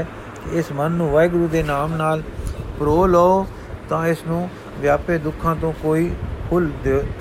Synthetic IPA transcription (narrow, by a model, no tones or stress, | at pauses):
kɪɪsmənːũːʋaːɪɡɾuːd̪eːnaːmnaːlpɾoːlɔːoː | t̪ãːɪsnũː | ʋjaːpeːd̪ʊkʰːãːt̪õːkoːiːkʰʊld̪eoː